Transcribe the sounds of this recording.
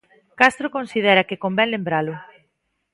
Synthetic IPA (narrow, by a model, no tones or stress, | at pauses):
kast̪ɾokonsiðɛɾɐkɪkombɛnlembɾalʊ